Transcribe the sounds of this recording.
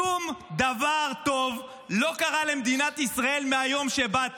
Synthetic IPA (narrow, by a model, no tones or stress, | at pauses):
umd̪avaʁt̪o̞v | lo̞kaʁale̞md̪inat̪isʁae̞lmeajo̞mʃebat